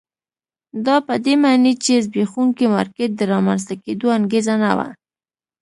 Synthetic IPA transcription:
d̪ɑpəd̪emɑnet͡ʃezbexuŋkimɑ̰ɾket̪̚d̪əɾɑmans̬t̪aked̪oaŋɡezana̰wa̰

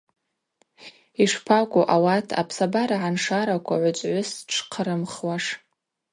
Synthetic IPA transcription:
iʂpʰakʷʼoʔawatʰa̰pʰsabaɾaʕanʂaɾakʷʰaʕʷʊt͡ʃʷʼʕʷʊsʈ͡ʂʰqʰəɾɨmχwaʂ

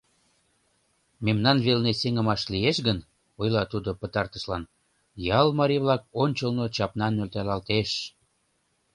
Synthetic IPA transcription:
memnɑnβelneseŋəmɑʃlijeʃɡən | ojlɑt̪ud̪opət̪ɑrt̪ə̆ʃlɑn | jɑlmɑɾiβlɑk̚onʲt͡ɕəlnot͡ɕɑpnɑnːølt̪ælɑlt̪eʃ

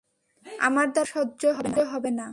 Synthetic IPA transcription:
a̰maɾd̪aʃɔdːoɦɔbenoɦɔbena

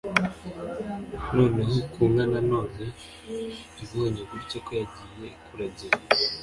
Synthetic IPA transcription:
noːnehikuːŋɡanano̞ːne | iβoɲokuɾicokojaɟijekuɾaɟe

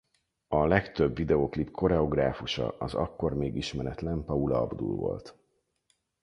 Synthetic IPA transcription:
ɒlɛkt̪ø̞bːid̪ɛoklipkʰo̞ɾɛo̞ɡraːfuʃɒ̰ʔɒzɒkːo̞rmeːɡiʃmɛɾɛt̪lɛmpɒulɒɒ̰bd̪ṵlvo̞̰lt̪

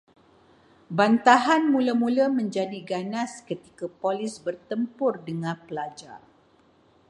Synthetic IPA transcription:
bant̪aɦanmũləmũləmə̃ɲd͡ʒadiɡanãskət̪ikapolɪsbərt̪əmpʊrdəŋãpəlad͡ʒa̰r

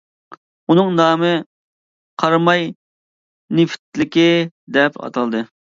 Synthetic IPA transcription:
unɨŋnɑːmɨ | qʰɑɾmɑj | nɪfʰt̪lɪkʲid̪ɛpɑ̰t̪ʰɑlˠd̪ɨ

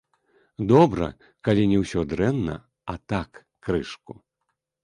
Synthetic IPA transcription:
d̪ɔbɾɐ̰ | kalʲinʲɛwsʲɔd̪ɾɛnːɐ̰ | at̪akː | ɾɨʂku

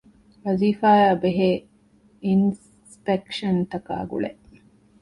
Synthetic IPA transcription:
ʋɐziːfaːjaːbeɦeː | ins | pekʃɐnt̪ɐka̰ːɡṵɭeʔ

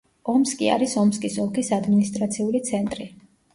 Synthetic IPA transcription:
ɔmskʼḭa̰ɾisɔmskʼisɔlˠkʰisad̪minist̪ʼɾat̪sʰiulit̪sʰɛnt̪ʼɾi

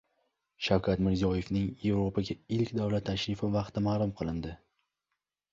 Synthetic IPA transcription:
ʃawkʰʲat̪mɪɾzijɒje̞fnɪŋje̞vɾopʰaɡʲaɪlkʲd̪avlat̪ʰːaʃɾɪfɪvɑqt̪ʰɪmaːlˠʊmqʰɨlˠɪnd̪ɪ

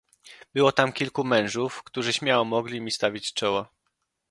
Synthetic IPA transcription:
bɘwɔt̪amkʲilkumɛ̃w̃ʐufkt̪uʐɘɕmʲjawɔmɔɡlʲimʲist̪avʲit͡ɕt͡ʂɔwa

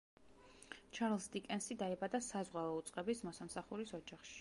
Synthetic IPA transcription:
t͡ʃʰaɾlˠsd̪ikʼɛnsid̪aɛbad̪asazʁwaɔut̪sʼqʼɛbismɔsamsaχuɾisɔd͡ʒaχʃi̥

